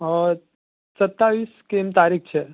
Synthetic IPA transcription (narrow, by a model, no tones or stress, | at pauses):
ə | sət̪ːaʋiskemt̪aɾik̚ʰt͡ʃʰe